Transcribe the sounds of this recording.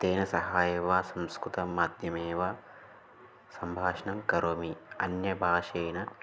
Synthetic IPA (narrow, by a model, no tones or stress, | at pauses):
t̪eːnɐsɐɦaːjeːʋaːsɐmskɾut̪ɐmːaːd̪ʱjɐmeːʋaː | sɐmbʱaːʂɐnɐmkɐɾoːmiɐnjɐbʱaːʃɐjnɐ